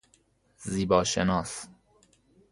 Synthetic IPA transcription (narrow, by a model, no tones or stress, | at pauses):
ziːbɒːʃenɒːs